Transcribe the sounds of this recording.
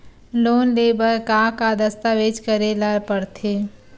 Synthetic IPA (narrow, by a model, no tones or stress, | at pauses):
loːnlebəɾkakad̪əst̪aʋed͡ʒkəɾelaɾpəɾt̪ʰe